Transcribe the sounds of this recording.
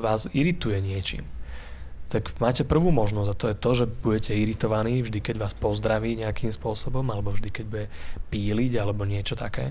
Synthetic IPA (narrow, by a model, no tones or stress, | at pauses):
ʋaːziɾit̪ujɛɲɪɛt͡ʃḭːm | t̪akmaːcɛpr̩ʋuːmɔʒnɔzat̪ɔjɛt̪ɔʒɛbuɟɛcɛiɾit̪ɔʋaniːvʒd̪ikɛɟʋaːspɔzd̪ɾaʋiːɲɛakʰiːmspʊɔsɔbɔmalɛbɔvʒd̪ikɛɟbuɟɛpiːliɟalɛbɔɲɪɛt͡ʃɔt̪akɛ̰ː